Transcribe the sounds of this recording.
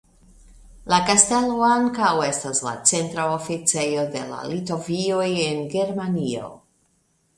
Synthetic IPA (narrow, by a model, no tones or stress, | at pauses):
lakaste̞lo̞aŋkawe̞stasla̰t͡se̞ntɾaofit͡se̞jo̞de̞la̰lito̞viojenɡe̞ɾmanio̞̰